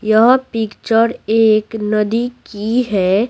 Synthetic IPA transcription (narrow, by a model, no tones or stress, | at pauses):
jəɦpɪkt͡ʃəɾeːknɐd̪ikiɦɛ